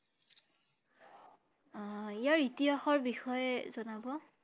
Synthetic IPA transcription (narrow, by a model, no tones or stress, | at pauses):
ijaɹitiaxɔɹbixɔjɛzɔnabɔ